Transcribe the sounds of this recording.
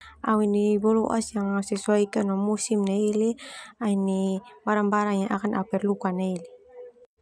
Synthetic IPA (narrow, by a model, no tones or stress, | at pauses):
ʔawinibɔluʔa̰sjaŋasɛsuaikanaŋmusimnailiainibaɾaŋbaɾaŋɲaʔakanʔapɛrlukanaili